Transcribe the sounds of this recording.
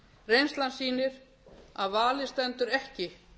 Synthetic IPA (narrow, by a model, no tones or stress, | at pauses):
rejnst̪lansiːnɪɾ̥ | aðvaːlɪst̪ɛnt̪ʏɾɛhcɪ